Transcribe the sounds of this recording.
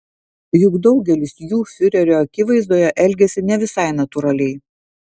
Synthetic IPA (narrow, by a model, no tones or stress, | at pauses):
jʊɡd̪ɒʊɡʲɛlʲɪsjuːfʲʊɾʲɛɾʲoːɐkʲɪʋɐɪzd̪oːjɛʔɛlʲɡʲɛsʲɪnʲɛʋʲɪsɑɪnɐt̪ʊɾɐlʲɛɪ